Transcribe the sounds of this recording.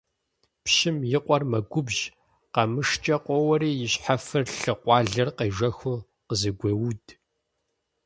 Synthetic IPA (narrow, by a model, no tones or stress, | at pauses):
pʃɪmjɪqʷʼɔrmɐɡʷʊbʒ | qɐmɨʂt͡ʃʼɐqʷʼɔwɐɾiːjɪɕħafɨrɬɨqʷɑːɮɐrqeːʒʷɐxʷʊ | qəzɨɡʷɐwud